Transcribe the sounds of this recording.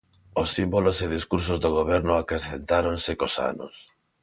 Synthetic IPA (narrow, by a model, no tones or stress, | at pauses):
osːimboloseðiskuɾs̬ozðoɣ̞oβ̞ɛɾnoakɾeθent̪aɾonsekosa̰no̰s